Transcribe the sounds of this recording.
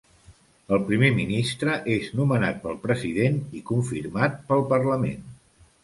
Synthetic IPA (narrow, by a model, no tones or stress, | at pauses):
əlˠpɾimeminist̪ɾəʔeznumənat̪̚pəlˠpɾəziðenikuɱfirmat̪̚pəlˠpərləmḛn